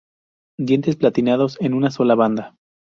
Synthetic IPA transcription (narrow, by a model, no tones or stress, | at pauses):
d̪jent̪e̞splat̪inaðo̞se̞nunaso̞laβand̪a